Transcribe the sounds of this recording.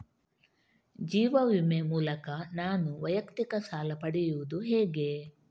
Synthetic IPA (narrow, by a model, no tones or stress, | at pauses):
d͡ʒiːʋɐʋimemuːlɐkɐnaːnuʋɐjɐkt̪ikɐsaːlɐpɐɽɛjuʋud̪uɦɛːɡe̞